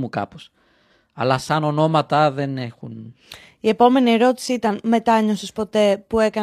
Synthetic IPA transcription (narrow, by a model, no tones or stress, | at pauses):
mukɐ̰pos | ɐ̰lɐsɐno̞no̞mɐt̪ɐðe̞ne̞xun | ie̞po̞me̞nie̞ɾo̞t̪i̥siit̪ɐnme̞t̪ɐɲo̞sespo̞t̪e̞pue̞kɐ